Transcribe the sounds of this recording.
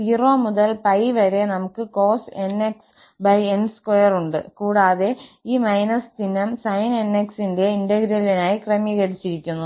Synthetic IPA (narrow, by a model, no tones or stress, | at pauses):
iro̞ːmuðɐlpɐjʋɐɾe̞nɐmukːɨko̞ːse̞nːeks | bɐjenskojɐruɳɖɨkuːɽaːðe̞iːmɐjnɐsd̪inɐmsɐjne̞nːe̞ksinde̞indɐɡɾɐlinaːjikrɐmjɐɣɐɽit͡ɕːiɾikʲːunːu